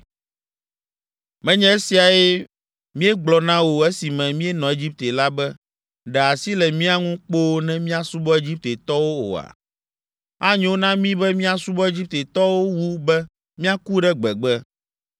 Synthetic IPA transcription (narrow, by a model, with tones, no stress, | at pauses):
mɛ̃˦ɲɛ̃˦e˦si˨a˨e˦ | mĩ˦e˦ɡ͡blɔ˨nã˦wo˨e˦si˨mɛ̃˨mĩ˦e˦nɔ̃˨e˦d͡ʑi˦p̚t̪e˨la˦bɛ˦ | ɖɛ˨a˨si˦lɛ˨mĩ˦a˦ŋũ˦k͡po˦nɛ̃˦mĩ˦a˦su˦bɔ˦e˦d͡ʑi˦p̚t̪e˨t̪ɔ˦wo˦o̰˨a̰˨ | a˦ɲẽ˦wo˦nã˦mĩ˦bɛ˦mĩ˦a˦su˦bɔ˦e˦d͡ʑi˦p̚t̪e˨t̪ɔ˦wo˦wu˦bɛ˦ | mĩ˦a˦ku˦ɖɛ˦ɡ͡bɛ˨ɡ͡bɛ˦